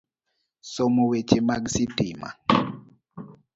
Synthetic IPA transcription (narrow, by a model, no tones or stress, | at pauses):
sɔmɔwet͡ʃemaɡsitima̰